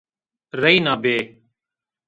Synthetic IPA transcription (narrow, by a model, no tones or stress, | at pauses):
ɾəiːnaːbeː